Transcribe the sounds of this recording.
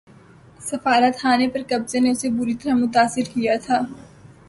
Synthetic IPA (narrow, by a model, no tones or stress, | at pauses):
sɐfaːɾət̪xaːnepɐɾkɐbzeneʊsebʊɾit̪ɐɾaɦmʊt̪aːsɪɾkijat̪ʰaː